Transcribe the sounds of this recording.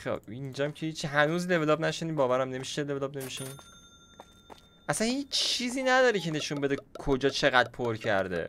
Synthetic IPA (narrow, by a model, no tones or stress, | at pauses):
xḛind͡ʒɒmcʰehit͡ʃʰːiɦænuːzle̞veloːbnæʃiniːbɒːvæɾæmne̞miʃelevlobne̞miʃin | ʔæsænhiːt͡ʃt͡ʃʰːiːziːnæd̪ɒːɾecʰene̞ʃunbe̞d̪ekʰod͡ʒɒːt͡ʃʰeɣæd̪̚pʰoɾcʰæ̰ɾd̪ḛ